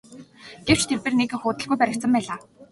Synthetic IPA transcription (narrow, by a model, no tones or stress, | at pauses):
ɡ̥ew̥t͡ɕt̪ʰerpĕːrnekɘ̆xʊːt̪ə̆ɮɣujpæɾʲɪ̆k̪sə̆mpæːɮaː